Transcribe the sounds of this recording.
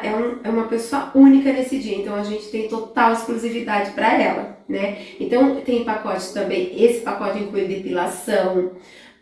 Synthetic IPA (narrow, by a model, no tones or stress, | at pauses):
ʔɛũɛũmɐpesoɐũnikɐnesɪd͡ʒiɐẽnt̪ɐ̃w̃ɐʒẽnt͡ʃɪ̥t̪ẽj̃t̪ot̪aweskluzivid̪ad͡ʒɪpɾɐɛlɐ̰nɛẽnt̪ɐ̃w̃t̪ẽj̃pakɔt͡ʃɪ̥t̪ɐ̃mbẽj̃esɪ̥pakɔt͡ʃɪĩkluɪd̪epilasɐ̃w̃